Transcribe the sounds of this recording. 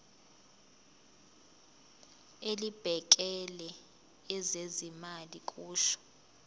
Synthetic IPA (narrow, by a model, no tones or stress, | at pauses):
elib̥ʱɛk̬ɛlɛ | ɛzezimalik̬ʼuːʃɔ̥